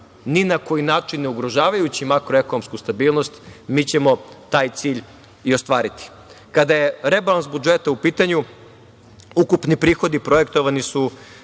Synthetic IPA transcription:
ninako̞jinaːt͡ʃinːeuɡɾo̞ʒaːʋajut͡ɕimakɾo̞e̞ko̞nomskust̪abiːlˠno̞st̪miːt͡ɕemo̞t̪aːjt̪siːʎ | io̞st̪ʋaːɾit̪i̥ | kad̪ajeɾe̞balˠansbud͡ʒe̞t̪aupiːt̪aɲu | ukupnipɾiːxo̞d̪ipɾo̞je̞kt̪o̞ʋanisu

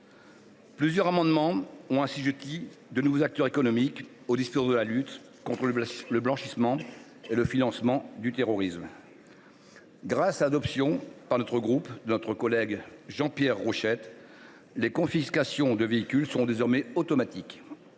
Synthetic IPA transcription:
plyzjœʁamɑ̃d̪mɑ̃ɔ̃ɛ̃siʒøt̪id̪ənuvozak̚t̪œʁekɔnɔmik | od̪ispuʁd̪əlalyt̪ | kɔ̃t̪χələblɑ̃ʃismɑ̃ | eləfinɑ̃smɑ̃d̪yt̪eʁɔʁism | ɡʁasalad̪ɔpsjɔ̃paʁnɔt̪χəɡʁupd̪ənɔt̪χəkɔlɛɡʒɑ̃pjɛʁːoʃɛt̪ | lekɔ̃fiskasjɔ̃d̪əveikʲylsɔ̃d̪ezɔʁmɛot̪ɔmat̪ik

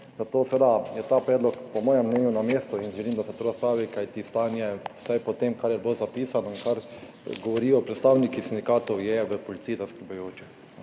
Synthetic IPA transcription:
zat̪oːsʋeːd̪ajɛt̪aːpɾɛːd̪lɔkpɔmɔːjɛmːnɛːnjunameːst̪ɔinʒɛliːmd̪asɛt̪oːɾaspɾaːʋikajt̪ist̪aːnjɛsajpɔt̪emkaɾjɛblozapiːsanɔinkaɾ | ɡɔʋɔɾiːɔpɾɛt̪st̪aːwnikisind̪ikaːt̪ɔwjɛʋəpɔlit̪siːizaskɾəlbajoːt͡ʃɛ

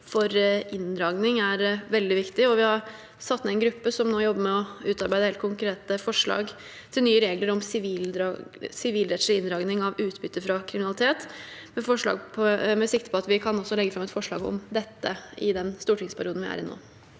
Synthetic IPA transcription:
fɔɾɪnd̪ɾɑːɡnɪŋæɾʋɛld̪ɪʋɪkt̪ɪɔʋɪhɑɾ | sɑt̪ːmɛæɛnɡɾʉpːəsɔmnoːjɔbːəɾmɛɔʉːt̪ɑɾbæɪd̪əheːlt̪kʰʊŋkɾeːt̪əfɔʂɭɑ̰ːɡ | t̪ʰɪlnyːəɾeːɡləɾɔmsɪʋiːld̪ɾɑsɪʋiːlɾɛslɪɪnɾɑːɡnɪŋɑʋʉːt̪bʏt̪ːəɾfɾɑkʰɾɪmɪnɑlɪt̪ʰeːt̪mɛfɔʂɭɑ̰ːɡpʰɔmɛsɪk̚t̪ə̥pʰɔɑt̪ʋɪkʰɑnɔsːɔlɛɡːəfɾɑmɛt̪fɔʂɭɑ̰ːɡɔ̰md̪ɛt̪ːəɪd̪ɛnst̪uːʈʰɪŋspʰæɾɪuːd̪n̩ʋɪæ̰ːɾɪ̰no̰ː

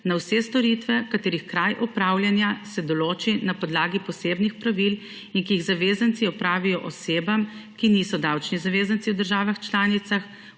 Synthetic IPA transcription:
nawsɛst̪ɔɾit̪ʋɛkat̪eːɾixkɾajʔɔpɾaːwljanjasɛd̪ɔloːt͡ʃinapɔd̪laːɡipɔseːbnixpɾaʋil | inkiːɣzaʋeːzansiɔpɾaːʋijɔʔɔseːbamkinisɔd̪awt͡ʃnizaʋeːzant̪siwd̪əɾʒaːʋaxt͡ʃlaːnit̪sax

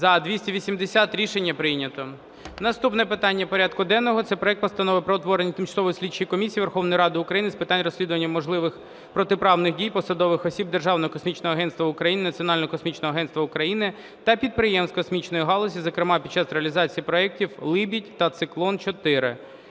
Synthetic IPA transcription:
zɐd̪ʋʲisʲtʲiʋʲisʲimd̪esʲat̪ɾʲiʃenʲːɐpɾɪnʲɐt̪ɔ | nɐst̪upnɛpɪt̪ɑnʲːɐpɔɾʲad̪kʊd̪ɛnːɔɦɔt̪sɛpɾɔɛk̚t̪pɔst̪ɐnɔʋɪpɾɔɔt̪ʋɔɾenʲit̪ɪmt͡ʃsˠɔʋɔjsʲlʲid̚ʲt͡ʃːɪjikɔmʲisʲijːʋerxɔwnɔjiɾɑd̪ɪʊkɾɐjinɪspɪt̪ɑnʲrɔsʲlʲid̪ʊʋɐnʲːɐmɔʒlˠɪʋɪx | pɾɔt̪ɪpɾɑwnɪxdʲijpɔsɐd̪ɔʋɪxɔsʲib̚d̪erʒɑwnɔɦɔkɔsmʲit͡ʃnɔɦɔɐɦɛnt̪t̪ʋɐʊkɾɐjinɪnɐt͡sʲiɔnɑlʲnɔɦɔkɔsmʲit͡ʃnɔɦɔɐɦɛnst̪ʋɐʊkɾɐjinɪ | t̪ɐpʲid̪̚pɾɪjɛmskɔsmʲit͡ʃnɔjiɦɑlˠɔsʲizɔkɾɪmɑpʲid̪̚t͡ʃɑsɾeɐlʲizɑt͡sʲijipɾɔɛk̚tʲiwlˠɪbʲitʲt̪ɐt̪sɪklˠɔnt͡ʃɔt̪ɪɾɪ̰

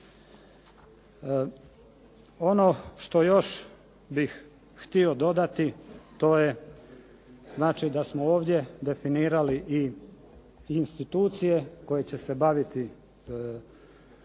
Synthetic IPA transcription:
o̞no̞ʃt̪o̞jo̞ʃ | bix | xt̪io̞d̪o̞d̪at̪it̪o̞je̞ | znaːt͡ʃid̪asmooːʋd̪je̞d̪e̞finiːɾaliʔi | nst̪it̪uːt̪sije̞ko̞je̞t͡ɕe̞se̞baʋit̪i

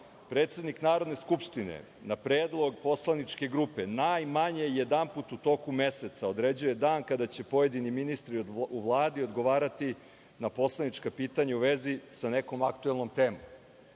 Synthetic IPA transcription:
pɾeːt̪se̞d̪niknaːɾo̞d̪ne̞skupʂt̪inḛ | napɾeːd̪lˠo̞ɡpo̞slanit͡ʃke̞ɡɾupe̞najmaɲeijed̪amput̪ut̪o̞ːkume̞se̞t̪saod̪ɾed͡ʑuje̞d̪aːnkad̪at͡ɕe̞po̞je̞d̪iniminist̪ɾiuʋlˠaːd̪io̞d̪ɡo̞ʋaːɾat̪i | napo̞slˠanit͡ʃkapiːt̪aɲauʋe̞zisane̞ko̞makt̪uelˠno̞mt̪e̞ːmo̰m

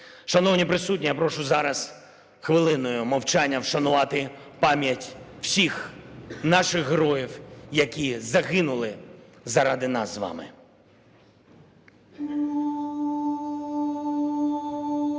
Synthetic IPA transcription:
ʃɐnɔwnʲipɾɪsutʲnʲijapɾɔʃʊzɑɾɐs | xʋɪlˠɪnɔjʊmɐwt͡ʃanʲːɐwʃɐnʊʋɑt̪ɪ | pɑmʲjɐtʲw̥sʲixnɑʃɪɣɦɾɔjiwjɐkʲizɐɣɪnʊlˠɪ | zɐɾɑd̪ɪnɑ̰sʋɑ̰mɪ̰

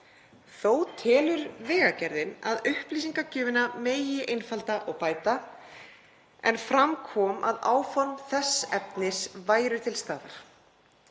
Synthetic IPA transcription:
θowt̪ʰɛːlʏɾvɛːɣacɛɾðɪna̰ðʏhpliːsiŋkacʏːvɪnameːjɪʔejnfalt̪aʔɔɣpaːjt̪a | ɛ̰nfɾamkʰɔːmʔa̰ðaːwfɔnθɛsːɛpnɪsvaːjɾʏt̪ʰɪlst̪aːðaɾ̥

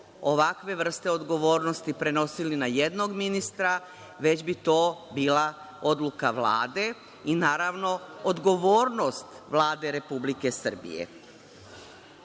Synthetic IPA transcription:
o̞ʋakʋe̞ʋr̩st̪e̞o̞d̪ɡo̞ʋo̞ːɾno̞st̪ipɾe̞no̞silinaje̞d̪no̞ɡminist̪ɾa | ʋe̞d͡ʑbit̪o̞ːbiːla | od̪lˠukaʋla̰ːd̪e̞ | inaːɾaʋno̞od̪ɡo̞ʋo̞ːɾno̞st̪ | ʋlˠaːd̪e̞ɾe̞publike̞sr̩bḭjḛ

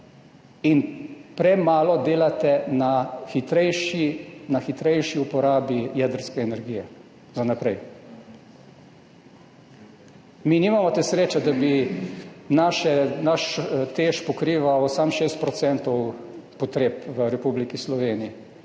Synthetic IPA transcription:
inpɾɛmaːlɔd̪eːlat̪ɛnaxit̪ɾɛjʃinaxit̪ɾɛjʃiupɔɾaːbijɛd̪əɾskɛɛnɛɾɡiːjɛ | zanapɾɛj | minimamɔt̪ɛsɾeːt͡ʃad̪abi | naʃɛnaʃt̪eːʃpɔkɾiːʋawsamʃeːst̪̚pɾɔt̪sɛnt̪ɔwpɔt̪ɾeːpʋəɾɛpublikislɔʋeːniji

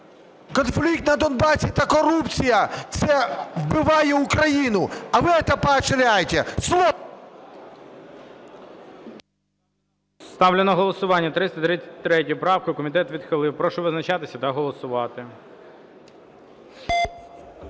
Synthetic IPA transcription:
kɔnflʲikt̪nɐd̪ɔnbɑsʲit̪ɐkɔɾupt͡sʲijɐt̪sɛwbɪʋɑjɛʊkɾɐjinʊɐʋɪɛt̪ɛpɐt͡ʃɪɾʲajet̪ʲɛslˠɔ | st̪ɑwlʲɪnɔɦɔlˠɔsʊʋɑnʲːɐt̪ɾɪst̪ɐt̪ɾɪt͡sʲɛ̥tʲt̪ɾɛtʲʊʊpɾɑwkʊkɔmʲit̪ɛt̪ʋʲid̪xɪlˠɪwpɾɔʃʊʋɪznɐt͡ʃat̪ɪsʲɐt̪ɐɦɔlˠɔsʊʋɑt̪ɪ

